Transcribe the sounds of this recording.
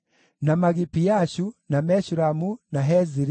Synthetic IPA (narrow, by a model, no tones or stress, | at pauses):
namaɡipijaʃunamɛʃuɾamunaɦɛziɾi